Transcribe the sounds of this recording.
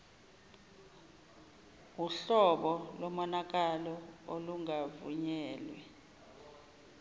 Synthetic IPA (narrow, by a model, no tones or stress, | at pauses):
uɬɔɓɔlɔmɔnak̬alɔoluŋavṵɲɛːlwɛ